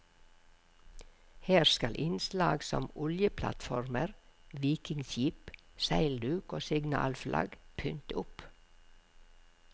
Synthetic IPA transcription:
heːɾskɑlʔɪnslɑːɡsɔ̰mʊljəpʰlɑ̰t̪fɔɾməɾʋiːkɪŋsjiːpsæɪld̪ʉːkoːsɪɡnɑ̰ːlflʔɑ̰ɡpʰʏnt̪əʊp

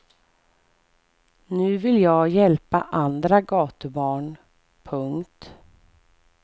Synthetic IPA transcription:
nʉ̟ːvɪljɑːɡjɛlpaʔand̪ɾaɡɑːt̪əbɑːɳ | pʰɵŋkt̪

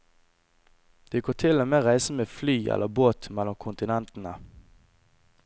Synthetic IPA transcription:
d̪̥eːɡoːt̪ʰɪlomeːʁæɪsəmeːflyːʔɛ̰lʔəboːt̪mɛlɔmkʰʊnt̪ɪnɛnt̪n̩ə

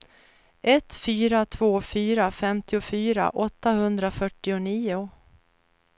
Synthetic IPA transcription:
ʔɛt̪fyːɾat̪ʰv̥oːfyːɾafɛmt̪ɪʊfyːɾa̰ʔɔt̪ːahɵnd̪ɾafœʈːɪʊniːʊ

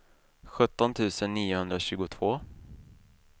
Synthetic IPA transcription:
ɧɵt̪ːɔnt̪ʰʉ̟ːsənːiːʊhɵnd̪ɾaɕʉ̟ːɡʊt̪ʰvoː

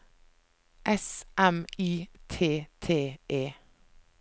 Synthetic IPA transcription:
ʔɛsʔɛmiːt̪ʰeːt̪ʰeːʔeː

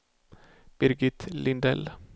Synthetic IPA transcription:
b̥ɪɾɡɪt̪lʔɪnd̪ɛ̰l

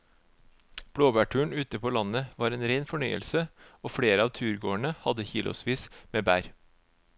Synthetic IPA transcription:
b̥ɽoːbæːʈʰʉːəɳʉːt̪əpʰoːlɑnəʋɑːɾeːnɾeɪnfɔɳœʏə̰lsəoːfɽeːɾəɑːʋt̪ʰʉːɾɡoːəɳəhɑd̪əçiːlʔʊ̰sʋiːsmeːbæːɾ

